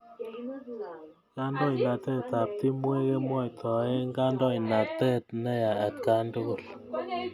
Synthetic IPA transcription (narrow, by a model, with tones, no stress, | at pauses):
ka˦ndɔ˦i˨na˨tɛ˦ta˨p̚ti˦mwe˦ke˦mwɔ˦˨jtʰɔ˨e˦ŋɡa˦ndɔ˦i˨na˨tɛ˦tnɛ˦ja˨a˨tka˦ndo˦ɡo˦˨l